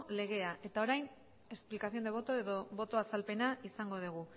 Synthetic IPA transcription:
le̞ɣ̞e̞aʔe̞t̪ao̞ɾajn | e̞splikaθijo̞nd̪eβ̞ot̪o̞e̞ðo̞βo̞t̪o̞asalpe̞naisaŋɡo̞ð̞uɣ̞u

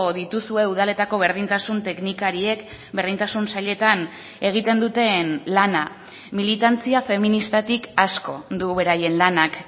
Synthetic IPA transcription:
ðit̪usue̞uð̞ale̞t̪ako̞βeɾðint̪asunt̪e̞knikaɾie̞k | be̞ɾð̞int̪asunsaʎe̞t̪an | e̞ɣ̞it̪e̞nd̪ut̪e̞nlana | milit̪ant͡siafe̞minist̪at̪ikasko̞d̪uβe̞ɾaje̞nlanak

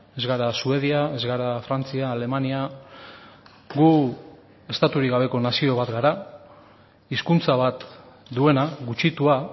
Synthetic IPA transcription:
e̞zɣaɾasue̞ðiae̞zɣaɾafɾant͡siaːle̞mania | ɡu | e̞st̪at̪uɾiɡaβe̞ko̞nasio̞β̞at̪ɡaɾa | iskunt͡saβat̪ | d̪ue̞naɡut͡ʃit̪ua

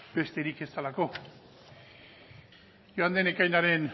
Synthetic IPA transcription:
b̥e̞st̪e̞ɾike̞st̪alako̞ | joand̪enekajnaɾe̞n

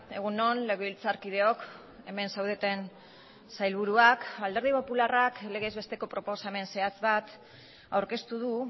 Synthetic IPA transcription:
e̞̰ɣ̞unːo̞nle̞ɣeβilt͡saɾkið̞e̞o̞k | e̞me̞nsawð̞et̪e̞n | sajlβuɾuakald̪eɾð̞ipo̞pularakle̞ɣe̞ːzβe̞st̪e̞ko̞pɾo̞po̞same̞nse̞at͡sβat̪ | awɾke̞st̪uð̞u

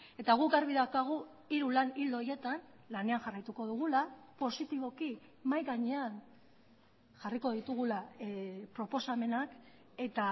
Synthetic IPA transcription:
e̞t̪aɣ̞ukaɾβiðakaɣ̞u | iɾulanild̪oje̞t̪an | lane̞aŋʝarajt̪uko̞ðuɣ̞ulapo̞sit̪iβo̞ki | majɣaɲe̞an | ʝariko̞ðit̪uɣ̞ulapɾo̞po̞same̞nak | e̞t̪a

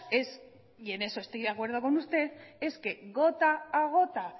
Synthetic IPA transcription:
e̞s | ie̞ne̞soest̪iakwe̞ɾðoko̞nust̪e̞θe̞ske̞ɣo̞t̪aːɣ̞o̞t̪a

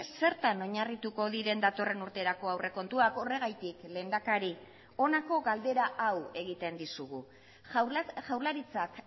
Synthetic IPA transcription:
se̞ɾt̪ano̞ɲarit̪uko̞ðiɾe̞nd̪at̪o̞re̞nuɾt̪e̞ɾako̞awre̞ko̞nt̪uako̞re̞ɣajt̪ikle̞ːnd̪akaɾi | o̞nako̞ɣald̪e̞ɾaʔawe̞ɣit̪e̞nd̪isuɣ̞u | ʝawlaɾit͡sak

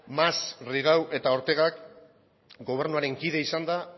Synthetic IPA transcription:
masriɣ̞awʔe̞t̪ao̞ɾt̪e̞ɣ̞ak | ɡo̞β̞e̞ɾnuaɾe̞ŋkið̞e̞isand̪a

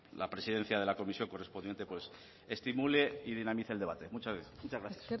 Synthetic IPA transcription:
la̰pɾe̞siðe̞n̟θjað̞e̞lako̞misjo̞ŋko̞re̞spo̞nd̪jent̪e̞pwe̞s | est̪imule̞ið̞inamiθele̞β̞at̪e̞mut͡ʃamut͡ʃazɣɾaθjḁs

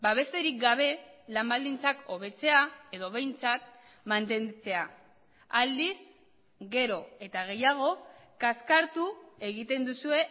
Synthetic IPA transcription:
baβ̞e̞st̪e̞ɾik̚ɡaβ̞e̞lambald̪int͡sako̞β̞e̞t͡se̞ae̞ðo̞β̞e̞jnt͡sat̪ | mant̪e̞nt͡se̞a | ald̪is | ɡe̞ɾo̞e̞t̪aɣ̞e̞jaɣ̞o̞kaskaɾt̪ue̞ɣit̪e̞nd̪usue̞

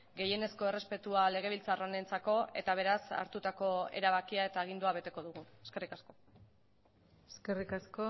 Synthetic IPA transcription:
ɡe̞je̞ne̞sko̞erespe̞t̪uale̞ɣ̞e̞β̞ilt͡sarone̞nt͡sako̞e̞̰t̪aβ̞e̞ɾasa̰ɾt̪ut̪ako̞e̞̰ɾaβakiae̞t̪aːɣ̞ind̪uaβe̞t̪e̞ko̞ðuɣ̞ue̞ske̞rikasko̞ | eskerikasko

